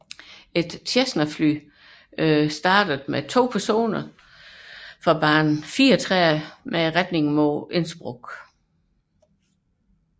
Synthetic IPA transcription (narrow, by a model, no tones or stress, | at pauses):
e̝d̥t͡ɕʰesnɐfly̰ː | sd̥ɑ̈ːd̥əð̩ˠmet͡sʰo̝̰ːpʰæɐso̝̰ːnɐ | fɑb̥ɑ̈ːnn̩fiːɐɒt͡sʰʁɛmeʁad̥ne̝ŋmɔːe̝nsb̥ʁɔɡ̥